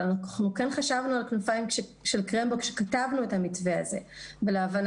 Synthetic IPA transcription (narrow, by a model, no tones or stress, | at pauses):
χukenχaʃavnualknufaimʃeʃelkʁembokʃekatavnuetamit͡sve̞a̰ze̞velaːvan